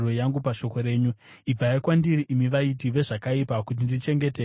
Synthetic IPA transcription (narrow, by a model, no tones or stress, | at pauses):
rwo̞jaŋɡupaʃo̞ko̞ɾe̞ːɲu | ib͡vajakwandiɾiʔimiʋaitiʋe̞ʐakaipakut̬indit͡ʃe̞ŋɡe̞te